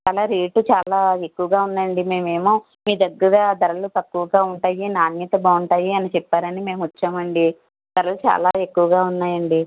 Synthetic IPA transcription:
t͡ʃaːlaːɾiːʈut͡ʃaːlaːe̞kːuʋɐɡaːunːɐɳɖime̞ːme̞ːmu | miːd̪ɐɡːɐɾaːd̪ɐɾɐlut̪ɐkːuʋɐɡaːuɳʈaːjinaːnːit̪ɐbaːuɳʈaːjiɐnit͡ʃɛpːaːɾɐnime̞ːmʋɐt͡ʃːaːmɐɳɖi | d̪̥ɐɾɐlut͡ʃa̰ːlaːe̞kːuʋɐɡaːunːaːjɐɳɖi

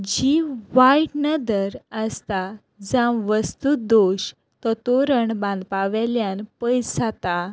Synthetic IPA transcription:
d͡ʑiʋaiʈnəd̪əɾəst̪a | d͡zãwʋəst̪ud̪oɕ | t̪ɔt̪oɾəɳbãnd̪paʋɛljãnpəjsat̪a

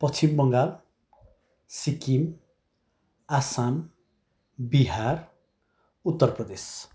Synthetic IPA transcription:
pʌt͡sʰimbʌŋɡal | sikim | asan | biɦar | ut̪ːʌrprʌd̪es

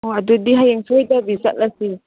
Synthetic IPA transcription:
oadudiɦajaŋsujt̪abisat̪̚lasi

